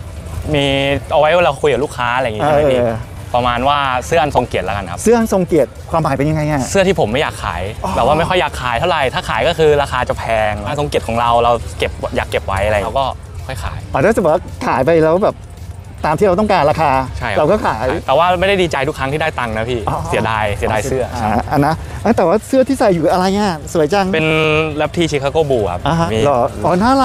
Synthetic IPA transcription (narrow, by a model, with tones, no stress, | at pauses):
miː˧ʔa˧wa˦˥jwaː˥˩ɾa˧wkʰu˧jka˨˩lu˥˩kʰːaː˦˥ʔalja˨˩iː˦˧˦ | pa˧maː˧nwaː˥˩sɯ˥˩əʔa˧nso˧ŋki˨˩ət̪la˦˥ka˧nkʰa˦˥sɯ˥˩əʔa˧nso˧ŋki˨˩ət̪̚kʰwaː˧mpaː˨˩˦jpe˧nja˧ŋa˧jŋa˧˩sɯ˥˩ət̪ʰiː˥˩pʰo˩˦mːa˥˩jaː˨˩kʰːa̰ː˩˦jbɛː˨˩pwaː˥˩ma˥˩jxɔ˥˩jːaː˨˩kʰːaː˩˦jt̪ʰa˥˩wɾa˨˩jt̪ʰaː˥˩kʰaː˩˦jkɔː˥˩kʰɯː˧ɾaː˧xaː˧t͡ɕa˨˩pʰɛː˧ŋa˧ŋso˧ŋki˨˩t̪̚ʰːɾa˧wɾa˧wke˨˩p̚jaː˨˩kːe˨˩p̚wa˦˥jʔa˨˧ɾa˧a˧wkɔː˥˩ | kʰɔ˥˩jkʰa̰ː˩˦jʔaː˨˧˩t̪aː˥˩t͡ɕa˨˩bɛː˨˩waː˥˩kʰaː˩˦jpa˧jɾa˧wbɛː˨˩p̚ | t̪aː˧mt̪ʰiː˥˩ɾa˧wt̪ɔ˥˩kaː˧nɾaː˧kʰaː˧t͡ɕʰa˥˩jɾa˧wkɔː˥˩kʰaː˩˦jt̪ɛː˨˩waː˥˩ma˥˩jda˥˩jdiː˧t͡ɕa˧jt̪ʰu˦˥kʰːa˦˥ŋʰiː˥˩aː˥˩jt̪a˧ŋna˦˥pʰiː˥˩˧si˨˦daː˧jsi˩˦daː˧jsɯ˥˩ɐ˩ʔa˧nːa˦˥ʔaː˧˩t̪ɛː˨˩waː˥˩sɯ˥˩ɐt̪ʰiː˥˩sa˨˩jːuː˨˩ʔa˧ɾa˧jŋa˧˩su˨˩˦jt͡ɕa˧ŋpe˧nlɛ˦˥p̚t̪ʰiː˥˩t͡ɕʰiː˧˦kʰa˧koː˥˩buː˧˩kʰa̰˦˩p̚ʔa˧˦˥mː˧lɔː˧˨˩ʔɔː˧˩naː˥˩la˧˩